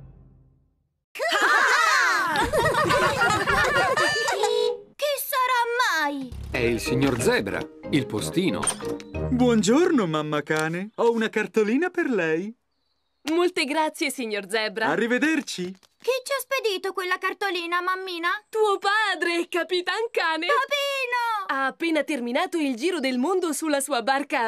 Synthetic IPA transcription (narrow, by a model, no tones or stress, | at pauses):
kisːaɾamːajɛilsiɲːord̪zɛbɾa̰ilpost̪iːno̰bwɔnd͡ʒornomamːakaːneɔunakart̪oliːnaperlɛj | molt̪eɡɾat̪sːjesiɲːord̪zɛbɾaarːived̪ert͡ʃi | kit͡ʃːiasped̪iːt̪okwelːakart̪oliːnamamːiːnat̪uːopaːd̪ɾekapit̪aŋkaːnebapiːnoaːpːeːnat̪erminaːt̪oild͡ʒiːɾod̪elmond̪osulːasuːabarka